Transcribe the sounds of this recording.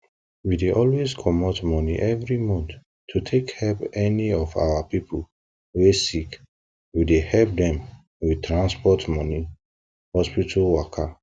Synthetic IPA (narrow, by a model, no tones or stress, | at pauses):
wideʔɔlweskʰɔmɔtmɔniʔɛvɹimɔ̃nθ | tʰːutʰekhɛlpɛniɔfa̰wapipʰol | wesik | widehɛlp̚dɛ̃m | wid̚tɹãnspɔtmɔni | hɔspitʰalwakʰa